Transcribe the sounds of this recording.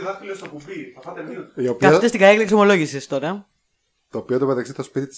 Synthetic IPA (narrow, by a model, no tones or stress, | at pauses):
ðɐslost̪ɐpuviɐɐt̪eiiopkɐɐt̪est̪iɡɐeklekso̞mo̞lo̞ʝisest̪o̞ɾɐ | t̪oːpiot̪omet̪ɐksiθɐspit̪it̪